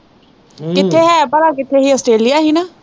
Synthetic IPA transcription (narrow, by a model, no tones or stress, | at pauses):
kɪt̪ʰːeːɦɛːbəɾaːkɪt̪ʰːeːɦiːɔːsʈɾeːlijaːɦiːnaː